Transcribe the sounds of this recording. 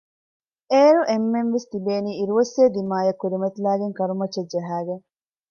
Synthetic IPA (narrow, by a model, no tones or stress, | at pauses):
eːɾuʔemːenʋest̪ibeːniːiɾuʋɐsjeːd̪imaːjɐkːuɾimɐt̪ilæːɡeŋkɐɾumɐt͡ʃːɐdd͡ʒɐɦæːɡeŋ